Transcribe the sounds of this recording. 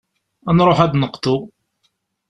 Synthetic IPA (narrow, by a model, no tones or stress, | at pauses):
ænɾˤoħæd̪nəqt̪ʊ